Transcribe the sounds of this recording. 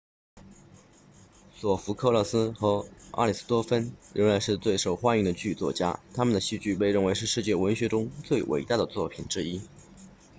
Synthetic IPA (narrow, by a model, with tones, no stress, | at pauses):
swɔ˨˩fu˧˥kʰɤ˥˧lɤ˥˩sɹ̩˥xɤ˧˥ʔa̰˥li˨˩sɹ̩̥˥t̪wɔ˥fə˥nɻə˧˥nla˧˥ɪʂɻ̩˥˧t͡swe˥˩ɪʂo˨˩ʊxwa˥ny˥˩ŋd̪ə˩t͡ɕy˥˧t͡swɔ̰˥˩t͡ɕja̰˥t̪ʰa˥mə˨nd̪ə˩ɕy˥˧t͡ɕy˥˧pe˥˧ɪɻə˥˩nwe˧˥ɪʂɻ̩˥˧ʂɻ̩˥˧t͡ɕjɛ˥˩wə˧˥nɕɥɛ˧˥ʈ͡ʂʊ˥ŋt͡swe˥˩ɪwʔḛ˨˩ɪt̪a˥˩d̪ə˩t͡swɔ˥˩pʰi˨˩nʈ͡ʂɻ̩˥i˥